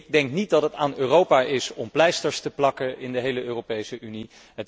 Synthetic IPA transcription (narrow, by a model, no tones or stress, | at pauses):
ɡ̚dɛŋknit̚dɑtɦətaːnøːrowpaːʔɪsɔmplɛjstəɹstəplɑkəɪndəɦejləøːrowpejsəʔyni | ət